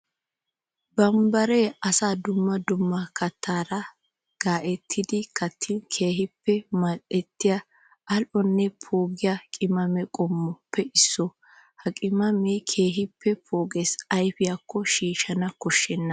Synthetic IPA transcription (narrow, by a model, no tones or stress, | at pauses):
bɐmbɐɾeɐsaːd̪ʊmːɐd̪ʊmːɐkɐt̪ʰːaːɾɐ | ɡ̥aːʔɛt̪ʰːɪd̪ɪkɐt̪ʰːɪnkʰe̞ːɦɪpːɛmɐtʼɛt̪ːɪjɐ | ʔɐlʔɔnːɛpʰoːɡɪjakʼɪmɐmɛkʼɔmːɔpʰːɛɪsːɔ | hɐkʼɪmɐmekʰeːɦɪpːɛpʰoːɡeːsɐjfɪjakːɔʃiːʃɐnɐkɔʃːɛnːɐ